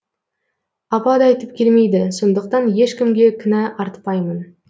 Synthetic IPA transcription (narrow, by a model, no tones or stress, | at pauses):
ɑpɑd̪ɑɑjt̪əp̚kʲʰe̞lme̞jd̪ɪso̞nd̪əq̚t̪ɑnje̞ʃkʲɪmɡʲe̞kʲʰɪnæʔɑɾt̪pɑjmən